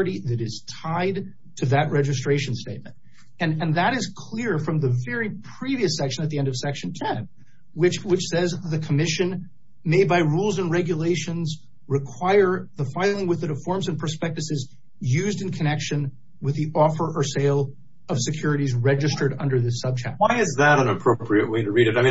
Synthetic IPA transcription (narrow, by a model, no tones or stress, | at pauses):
ɨɾiðɨɾɪz̥tʰaɪd̚ | tʰɨðɨʔ̚ɹɛd͡ʒɨstɹ̥eɪʃɨ̃n̩steɪt̚mɨ̃nt | ɨ̃nɨ̃nðɨɾɨz̥kʰl̥ɪɹfɹʌ̃mðɨvɛɹipʰɹ̥iviɨsɛkʃɨ̃nɨt̪̚ðiɛ̃ndʌv̥sɛkʃn̩tʰɛ̃n | wɨt͡ʃwɨt͡ʃsɛzðɨkʰəmɪʃɨ̃n | meɪbaɪɹulˠzɨ̃nɹɛɡjɨleɪʃɨ̃nz | ɹɨkʰw̥aɪə˞ðəfaɪlˠɪ̃ŋwɨðɨɾɨfɔɹmzɨ̃npʰə˞spɛk̚tɨsɨz | jʉzdɨ̃nkʰɨnɛkʃɨ̃n | wɨðiʔɔfə˞ʔə˞seɪlˠ | ʌv̥sɨkʰj̥ʊɹɨɾizɹɛd͡ʒɨstə˞ɾʌ̰̃ndə˞ðɪsʌb̚d͡ʒɨ̰k̚waɪɨzðəɾɨ̃nəpʰɹ̥oʊpʰɹiɨʔ̚weɪɾɨɹiɾɨɾaɪmĩn